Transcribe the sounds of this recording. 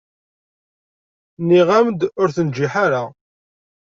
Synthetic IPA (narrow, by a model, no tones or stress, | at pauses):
niʁæmd̪ʊɾθənd͡ʒːiħaɾa